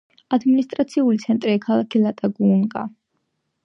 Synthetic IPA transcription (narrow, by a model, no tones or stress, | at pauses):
ad̪minist̪ʼɾat̪sʰiulit̪sʰɛnt̪ʼɾikʰalˠakʰilˠat̪ʼaɡunkʼa̰